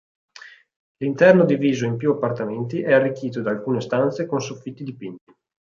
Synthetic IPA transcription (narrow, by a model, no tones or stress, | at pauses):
lint̪ɛrnod̪iviːzoimpjuapːart̪ament̪iʔɛarːikːiːt̪od̪aːlkuːnest̪ant̪sekonsofːit̪ːid̪ipint̪i̥